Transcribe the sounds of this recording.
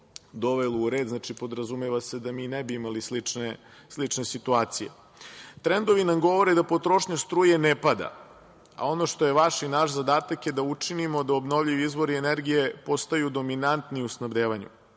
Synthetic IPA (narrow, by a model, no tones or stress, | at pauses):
d̪o̞ʋeluːɾe̞ːd̪znat͡ʃipo̞d̪ɾazumeʋase̞d̪amiːnebiimalislit͡ʃneslit͡ʂne̞sit̪uaːt̪sijḛ | t̪ɾend̪o̞ʋinamɡo̞ʋoɾed̪apo̞t̪ɾo̞ʃɲast̪ɾuːjenepad̪a̰ | a̰o̞noʃt̪oje̞ʋaʃinaʃzad̪aːt̪akjed̪aut͡ʂinimo̞d̪aobnoʋʎiʋiizʋo̞ɾieneɾɡije̞po̞st̪ajud̪o̞minant̪niusnabd̪eːʋaɲṵ